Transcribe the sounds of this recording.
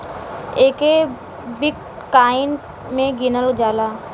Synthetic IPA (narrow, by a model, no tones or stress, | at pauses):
eːke | bɪk | kaːɪn | mẽɡɪnəld͡ʒaːlaː